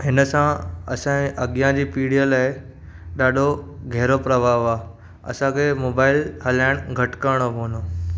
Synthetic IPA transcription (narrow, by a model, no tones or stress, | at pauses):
ɦɪnəsãɐ̰sãẽʔɐɡjãd͡ʑiːpiːɽijəlaːe | ɗaːɖʱoɡʱɛɦɾopɾɐbʱaːʋa | ɐ̰sãkʰemoːbaːɪlɦəlaːɪɽ̃ɡʱɐʈkəɾɽ̃oboːno